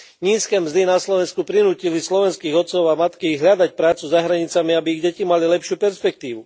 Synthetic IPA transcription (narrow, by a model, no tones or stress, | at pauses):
ɲiːskɛːmzd̪inaslɔʋɛnskupɾinuːcilislɔʋɛnskiːɣɔt̪t͡sɔʊamat̪kiɣɦʎad̪acpɾaːt͡suzaɦɾaɲit͡samiabiːɣɟɛcimalilɛpʃɪuːpɛɾspɛk̚t̪iːʋu